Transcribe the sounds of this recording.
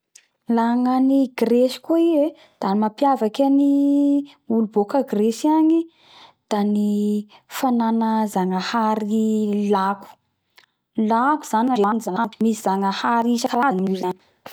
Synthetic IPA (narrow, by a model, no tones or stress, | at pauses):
laŋaniɡreʃi̥koie | d̪̥anmapjavakani | ulubokəɡreʃiaɲi | d̪̥anifananəzaŋəhaɾilaku̥ | laku̥z̥anaɾeanizaŋamisizaŋəhaɾisakaɾaanuzani̥